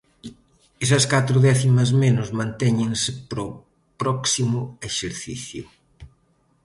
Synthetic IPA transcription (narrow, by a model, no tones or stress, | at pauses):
esɐskat̪ɾʊðɛθimɐzmenʊzmãnt̪ɛɲẽŋsɪpɾo | pɾɔksimʊeʃeɾθḭθjʊ